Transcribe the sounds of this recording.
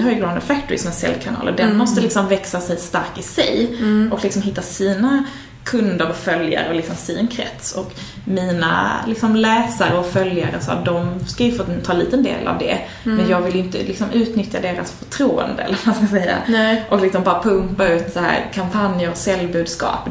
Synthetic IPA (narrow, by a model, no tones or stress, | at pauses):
haɾjəɡɾand̪ət̪fæk̚t̪ʊɾɪ̰sɔnaːsɛ̰lːkʰanɑ̰ːləd̪ɛnmɔst̪əlɪksɔmvɛksasɛjst̪aɾkɪsɛjʔɔklɪksɔmɦɪt̪ːasiːna | kʰɵnd̪əɾɔfœlja̰ɾəɔlɪksɔmsiːnkʰɾɛ̰t̪sɔk | miːna̰lɪksɔmlɛːsaɾəɔfœljaɾəsɔ̰ːd̪ɔmskajɵfoːt̪ʰɑːlḭːt̪ənd̪ḛːlʔa̰vd̪ɛ̰ | mɛnjɑːɡvɪljɪnt̪ə̰lɪksɔmʉ̟ːt̪nʏt̪jad̪eːɾasfœʈʰɾuːə̰nd̪əɛ̰lːəɾmaskasɛjːa̰ʔɔklɪksɔmbɑːɾapʰɵmpaʉ̟ːt̪sahæ̰ːɾkʰampʰanjəɾɔsɛlbʉd̪skɑ̰ːp